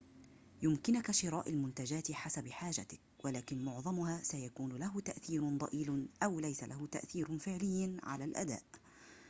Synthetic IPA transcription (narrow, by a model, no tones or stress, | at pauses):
jʊmkɪnʊkaʃɪɾaːʔalmʊnt̪ad͡ʒaːt̪ħasabħaːʒat̪ɪk̚ | wʔalaːkɪnmʊʕðˤɑmʊhaːsajakuːnʊlaɦʊt̪aʔθiːɾd̪ˤɑʔiːlʔawlajsalʔahʊt̪aʔθiːɾfɪʕlɪjːanʕa̰laːlʔa̰d̪a̰ːʔ